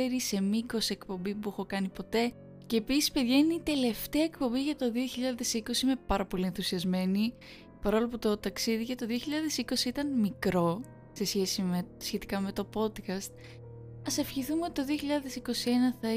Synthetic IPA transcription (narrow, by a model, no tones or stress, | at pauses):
eɾise̞miko̞sie̞kpo̞mbipuexo̞kɐnipo̞t̪e̞ | ce̞ːpisi̥spe̞ðʝɐineit̪e̞le̞ft̪eɐekpo̞mbiʝɐt̪o̞ðio̞çiʎɐðe̞siko̞siime̞pɐɾɐpo̞lienθusiɐzme̞ni | pɐɾo̞lɐp̬ot̪ot̪ɐksiðiʝɐt̪t̪o̞ðio̞çiʎɐðe̞siko̞siit̪ɐnmikɾo̞ | se̞sçe̞simesçe̞t̪i̥kɐme̞t̪o̞po̞d̪kɐst̪̚ | ɐsefçiθumeot̪it̪o̞ðioçiʎɐðe̞siko̞sie̞nɐθɐ